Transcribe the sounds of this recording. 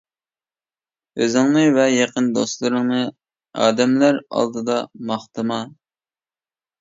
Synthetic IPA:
øzɪŋnɨvɛjɑqʰənd̪ost̪lˠɨɾɨŋnɨ | ɑ̰ːd̪ɛmlæɾɑ̰lˠd̪ɨd̪ɑmɑχt̪ɨmɑ

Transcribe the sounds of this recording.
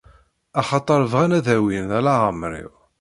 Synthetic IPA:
ɑχɑt̪ˤːɑɾˤvʁænæðæwinælaʁəmɾḭʁ

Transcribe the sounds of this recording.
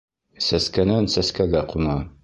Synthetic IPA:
sæskænænsæskæɡæqunɑ

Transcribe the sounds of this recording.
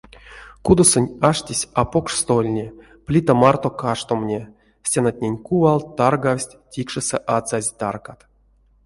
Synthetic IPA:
kud̪osonʲaʂtʲisʲapokʂst̪olʲnʲe | plʲit̪amart̪okaʂt̪omnʲe | sʲenat̪̚ʲnʲenʲkuvalˠt̪ːarɡawsʲtʲtʲikʂɨsɛʔat͡sazʲt̪a̰rkat̪

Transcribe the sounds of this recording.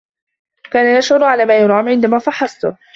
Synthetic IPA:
kaːnajaʃʕʊɾʕalaːmaːjʊɾˤɑːmʕɪnd̪amaːfɑħːɑsˤt̪ʊ̰

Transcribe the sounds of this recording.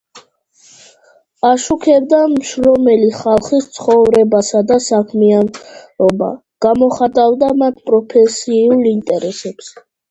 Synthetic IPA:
aʃukʰɛbd̪amʃɾɔmɛliχalˠχist̪sʰχɔvɾɛbasad̪asakʰmianɔba̰ | ɡ̥amɔχat̪ʼavd̪amat̪ʰpʼɾɔpʰɛsiulˠint̪ʼɛɾɛsɛps

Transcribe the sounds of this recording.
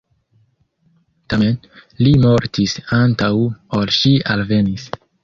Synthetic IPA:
tamenlimo̞ɾtisantawolʃialve̞nis

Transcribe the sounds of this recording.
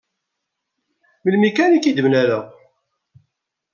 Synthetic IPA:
məlmikænikid̪əmnæɾæ

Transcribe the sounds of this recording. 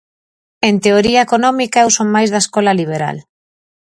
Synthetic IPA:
ent̪eoɾiaekonɔmikaewsoŋmajzðaeskɔlaliβ̞eɾa̰l

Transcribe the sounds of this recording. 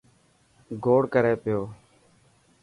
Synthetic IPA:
ɡʱoːɽkəɾeːpɪjoː

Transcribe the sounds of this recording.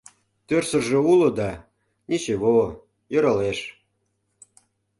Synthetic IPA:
t̪ørsə̆rʒĕulŏd̪ɑ | nʲit͡ɕeβo | jøɾɑleʃ

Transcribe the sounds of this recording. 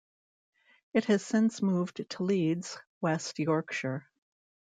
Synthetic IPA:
ɨt̚hɨz̥sɪ̃nsmuvtʰəlidz̥wɛstjɔɹkʃə˞

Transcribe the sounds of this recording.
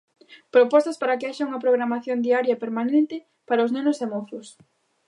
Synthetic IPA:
pɾopɔst̪ɐspaɾɐkeaʃɐuŋɐpɾoɣɾamaθjond̪iaɾjɐepeɾmanent̪ɪ | paɾaosznenʊsemoθʊs

